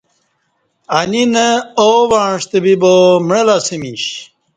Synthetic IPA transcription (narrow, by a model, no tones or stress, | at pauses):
ɐninəoʋaːɳʂt̪ebibomɳelasimiɕ